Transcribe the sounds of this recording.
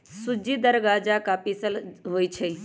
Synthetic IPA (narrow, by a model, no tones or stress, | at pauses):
sud͡ʒid̪əɾɡad͡ʒakapisəlɦoːjt͡ʃʰe